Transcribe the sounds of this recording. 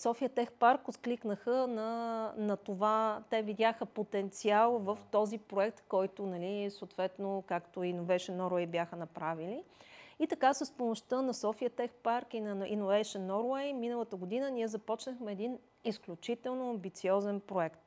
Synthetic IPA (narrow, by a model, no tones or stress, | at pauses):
sɔfiət̪ɛxpaɾkʊt̪kliknəxənɐnɐt̪ovat̪ɛvid̪ʲaxəpot̪ɛnt̪sialˠvəft̪ɔzipɾoɛk̚t̪kɔjt̪ʊnɐlisoːt̪vɛt̪nokakt̪oinovɛjʃənːɔɾwɛjbʲjaxənɐpɾaviliit̪ɐkasəspomoʃt̪ənɐsɔfiət̪ɛxpaɾkinɐʔinovɛjʃənːɔɾwɛjminəlˠət̪əɡod̪inənʲiɛzɐpɔt͡ʃnəxmɛːd̪in | isklʲut͡ʃit̪ɛlˠnoɐmbit̪siɔzɛnpɾoɛkt̪